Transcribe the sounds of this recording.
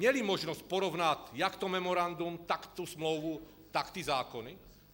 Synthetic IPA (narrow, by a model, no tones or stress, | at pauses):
ɲɪɛlimɔʒnɔsc̚pɔɾɔʋnatjakt̪ɔmɛmɔɾand̪umt̪akt̪usmlɔʋu | t̪akt̪iːzaːkɔni